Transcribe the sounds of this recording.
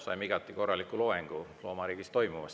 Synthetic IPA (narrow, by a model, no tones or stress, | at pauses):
sɑ̰jmiɡ̥ɑt̪ːˑiko̞rːɑlikːˑuloːeŋɡ̥ulo̞ːmɑɾiːɡ̥ist̪o̞jmuvɑ̰s